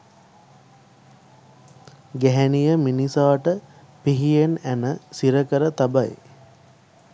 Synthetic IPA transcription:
ɡæɦænijəminisaːʈə | piɦijenænəsiɾəkəɾət̪abaj

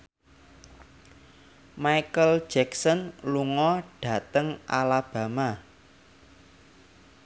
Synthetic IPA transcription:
majkəl̥d͡ʒ̥ɛksɔnluŋɔɖ̥ä̤t̪əŋʔalab̥ä̤ma

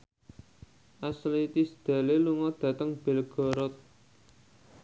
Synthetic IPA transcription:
ʔaslit̪isd̪̥a̤leluŋɔd̪̥ä̤t̪əŋb̥e̤lɡ̥ɔ̤ɾɔt̪̚

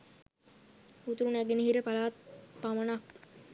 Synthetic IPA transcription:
ut̪uɾunæɡeniɦiɾəpalaːt̪̚pamənak

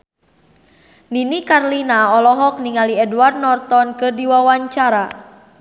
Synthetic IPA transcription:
ninikarlinaɔlɔɦɔk̚niŋaliɛduward̪̚nɔrt̪ɔnkɨrdiwawaɲt͡ʃaɾa

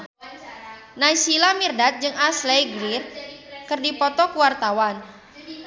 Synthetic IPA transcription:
najsilamirdat̪̚d͡ʒɨŋaslejɡɾirkɨrdipɔt̪ɔkuwart̪awan

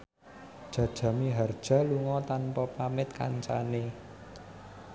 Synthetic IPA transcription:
d̥ʒ̥ä̤d̥ʒ̥ä̤miɦard̥ʒ̥ä̤luŋɔt̪anpɔpamɪt̪̚ka̰ɲt͡ʃane

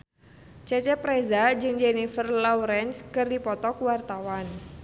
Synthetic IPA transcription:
t͡ʃɛt͡ʃɛpɾezad͡ʒɨŋd͡ʒɛnifərlɔwɾɛnskɨrdipɔt̪ɔkwart̪awan

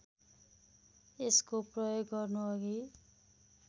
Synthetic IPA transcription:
eskoprʌjoɡːʌrnuʌɡi

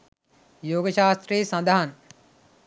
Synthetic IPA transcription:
joːɡəʃaːst̪ɾiːsɐ̃nd̪aɦɐn

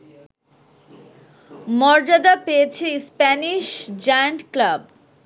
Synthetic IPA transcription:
mɔɾd͡ʑad̪apejet͡ɕʰespɛniʃd͡ʑajaɳʈklab

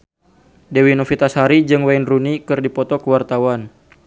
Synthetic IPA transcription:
dewinɔfit̪ashaɾid͡ʒɨŋwajnrunikɨrdipɔt̪ɔkəwart̪awan

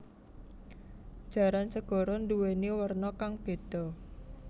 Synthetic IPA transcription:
d̥ʒ̥ä̤ɾansəɡ̥ɔ̤ɾɔnd̪uweniwərnɔkaŋb̥e̤d̪̥ɔ̤

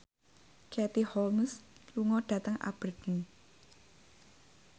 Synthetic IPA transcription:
kʰɛt̪ihɔlmsluŋɔɖ̥ä̤t̪əŋʔa̰b̥ərd̥ən

